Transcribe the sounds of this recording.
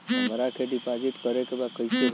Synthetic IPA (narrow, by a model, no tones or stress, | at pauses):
məɾakʰeɖipad͡ʒit̪kəɾekebad̪kəiseɡ